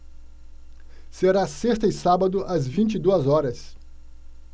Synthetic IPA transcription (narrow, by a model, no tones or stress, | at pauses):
seɾasest̪ɐɪsabɐd̪ʊʔɐzvĩnt͡ʃid̪uɐzɔɾɐs